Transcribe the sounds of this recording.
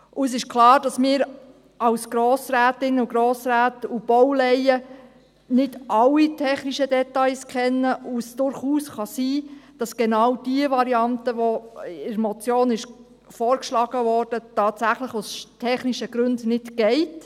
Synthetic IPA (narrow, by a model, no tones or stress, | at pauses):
ʔʊɛs̬ɪʃkʰlɑːɾd̥ɑsmɪːɾ | ɑwsɡ̥ɾoːsɾæːtɪnəuɡɾoːsɾæːtub̥ɔwlɛjə | nɪdʔɑlːitʰɛχniʃədɛtɑɪskʰɛnːəusd̥ʊɾχuːsχɑsiːd̥ɑsɡ̥enɑwd̥iəʋɑɾiɑntəʋɔɪɾmɔt͡sjoːnɪʃ | fɔːɾkʃlɑːɡ̥əʋɔrd̥ətɑːtsæχləχostʰɛχniʃəɡ̥ɾʉndnɪtɡ̥ɛɪt